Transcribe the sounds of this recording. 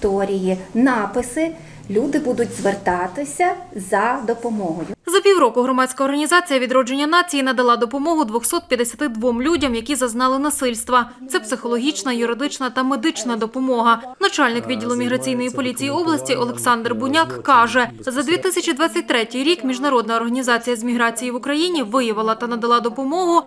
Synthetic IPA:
t̪ɔɾʲijinɑpɪsɪ | lʲud̪ɪbud̪ʊtʲzʋert̪ɑt̪ɪsʲɐzɐd̪ɔpɔmɔɦɔjʊzɐpʲiwɾɔkʊɦɾɔmɑdʲt͡sʲkɐɔrɦɐnʲizɑt͡sʲijɐʋʲid̪ɾɔd͡ʒenʲːɐnɑt͡sʲijinɐd̪ɐlˠɑd̪ɔpɔmɔɦʊd̪ʋɔxsɔt̪̚pʲjɐd̪esʲɐ̥t̪ɪd̪ʋɔmlʲudʲɐmjɐkʲizɐznɑlˠɪnɐsɪlʲst̪ʋɐ | t̪sɛpsɪxɔlˠɔɦʲit͡ʃnɐjʊɾɪd̪ɪt͡ʃnɐt̪ɐmed̪ɪt͡ʃnɐd̪ɔpɔmɔɦɐnɐt͡ʃɑlʲnɪkʋʲidʲːilˠʊmʲiɦɾɐt͡sʲijn̪ɔjipɔlʲit͡sʲijiɔblˠɐsʲtʲiʔɔlˠeksɑnd̪rbʊnʲakːɑʒɛzɐd̪ʲʋʲit̪ɪsʲɐt͡ʃʲid̪ʋɑt͡sʲːɐt̚ʲt̪ɾɛtʲɪjɾʲikmʲiʒnɐɾɔd̪nɐɔrɦɐnʲizɑt͡sʲijɐzʲmʲiɦɾɑt͡sʲijiʋʊkɾɐjinʲiʋɪjɐʋɪlˠɐt̪ɐnɐd̪ɐlˠɑd̪ɔpɔmɔɦʊ

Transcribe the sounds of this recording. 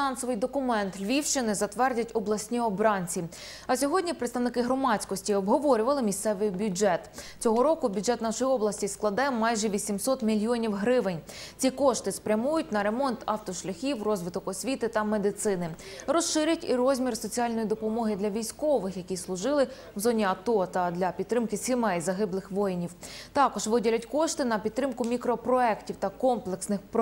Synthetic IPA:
nɑnsɔʋɨjd̪ɔkʊmɛnt̪lʲʋʲiwʃt͡ʃɪnɪzɐt̪ʋɛrdʲɐtʲɔblˠɐsʲnʲiɔbɾɑnʲt͡sʲi | ɐsʲɔɦɔdʲnʲipɾɪt̪st̪ɐʋnɪkɪɦɾɔmɑt͡sʲkɔsʲtʲiɔbɦɔʋɔɾʲʊʋɐlˠɪmʲist̪sɛʋɪjbʲjʊd͡ʒɛt̪t͡sʲɔɦɔɾɔkʊbʲʊdd͡ʒɛt̪nɑʃɔjiɔblˠɐsʲtʲisklˠɐd̪ɛmɑjʒɛʋʲisʲimsɔt̪mʲilʲijɔnʲiwɦɾɪʋɪnʲt͡sʲikɔʃt̪ɪspɾʲɐmujʊtʲnɐɾe̞mɔnt̪ʰɑwt̪ɔʃlʲɐxʲiwrɔzʋɪt̪ɔkɔsʲʋʲit̪ɪt̪ɐmed̪ɪt̪sɪnɪɾɔsʃɪɾʲɐtʲḭrɔzʲmʲirsɔt͡sʲialʲnɔjid̪ɔpɔmɔɦɪd̪lʲɐʋʲijsʲkɔʋɪxjɐkʲislˠʊʒɪlˠɪ | wzɔnʲiɐt̪ɔt̪ɐd̪lʲɐpʲid̪t̪ːɾɪmkɪsʲɪmɛjzɐɦɪblˠɪxʋɔjɪnʲiwt̪ɑkɔʒʋɪdʲilʲɐtʲkɔʃt̪ɪnɐpʲid̪̚t̪ɾɪmkʊmʲikɾɔpɾɔɛktʲiwt̪ɐkɔmplˠeksnɪxp

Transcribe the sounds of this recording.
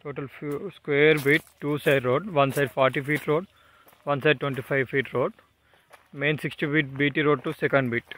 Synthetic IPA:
ʈoːʈɐlskʋeːɾbiːʈ̚ʈːuːsajɖɾoːɖʋɐnsɐjɖpʰaːɾʈiːpiːʈɾoːɖ | ʋɐnsɐjɖ̚ʈʋẽɳʈiːpʰajʋfiːʈɾoːɖ | meːnsiksʈipiːʈ̚biːʈiːɾoːɖ̚ʈusɛkɐɳɖbiːʈ

